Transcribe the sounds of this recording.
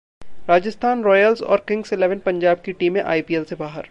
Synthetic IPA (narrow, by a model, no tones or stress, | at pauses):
ɾaːd͡ʒəst̪ʰaːnɾɔːjəlzɔ̰ːɾkɪ̃ŋɡsɪlɛːʋənpɐ̃ɲd͡ʒaːb̚kiʈiːmẽʔa̰ːipiːelsebaːɦəɾ